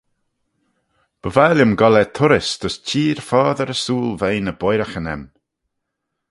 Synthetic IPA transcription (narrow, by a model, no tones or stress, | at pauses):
b̥əvaljəmɡɔlɛt̪ʰʊɾɪsd̪̥əstʰiːɹfaːðəɾəsuːlˠvejnəbɔjɾaxənɛ̰m